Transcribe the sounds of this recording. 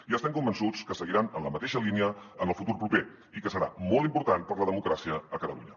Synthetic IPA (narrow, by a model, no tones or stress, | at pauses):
iəst̪ɛmkumbənsut͡skəsəɣiɾanənləmət̪eʃəliniəənəlˠfut̪uɾpɾupe | ikəsəɾa̰mɔlˠt̪impuɾt̪anpəɾləðəmukɾasiəːkət̪əlṵɲə